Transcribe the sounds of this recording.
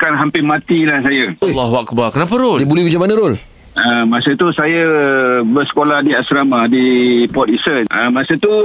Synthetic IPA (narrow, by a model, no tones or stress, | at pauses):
kanɦampɪmat̪ilahs̬ajəojlːɑɦuakbarkənapəɾoljibulɛhbəd͡ʒamanaɾol | əmãsət̪usajabəsə̥kolahdiasɾamãdipɔt̪isəəmãsət̪u